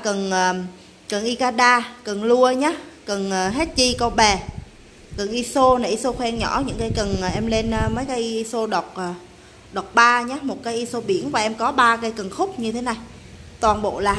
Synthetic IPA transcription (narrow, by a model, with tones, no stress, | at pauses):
kə˨˩nʔəː˨˩ | kə˨˩nʔi˧kaː˧ɗaː˧kə˨˩nlu˧əɲaː˨˦˥kə˨˩nʔəː˨˩ɦɛ˦˥t̚t͡ɕi˧kɔ˧ɓɛ˨˩ | kə˨˩nʔi˧so˧na˨˩ʔi˧so˧xwɛ˧ŋɲɔ˧˩ɲɨ̰˧˥ŋkaː˨˦jkə˨˩nː˨˩ʔɛ˧mle˧nʔəː˧məː˨˦jkaː˨˦jʔi˧so˧ɗɔ˨˩wk͡p̚ʔəː˨˩ | ɗo˨˩wk͡p̚ɓaː˧ɲaː˨˦mo˨˩t̚kaː˨˦jʔi˧so˧ɓi˧˩ənvaː˨˩ʔɛ˧mkɔ˨˦ɓaː˧kə˧jkə˨˩ŋnxʊ˦˥k͡p̚ɲɨ˧t̪ʰe˨˦na˨˩j | t̪waː˨˩nɓo̰˧˨laː˨˩